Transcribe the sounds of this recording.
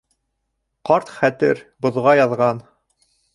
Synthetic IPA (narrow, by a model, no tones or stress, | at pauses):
qɑɾt̪χæt̪ɘɾbŏðʁɑjɑðʁɑn